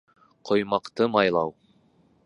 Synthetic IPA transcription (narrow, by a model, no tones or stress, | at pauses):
qʰŏjmɑqt̪ɤmɑjlˠɑw